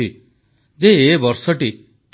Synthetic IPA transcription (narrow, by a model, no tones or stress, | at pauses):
i | d͡ʒeːbɔɾsɔʈi | t̪